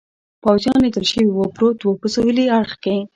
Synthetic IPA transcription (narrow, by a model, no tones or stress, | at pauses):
pawzjɑned̪əlʃəwiwəpɾot̪wopəsəwəliaɽxke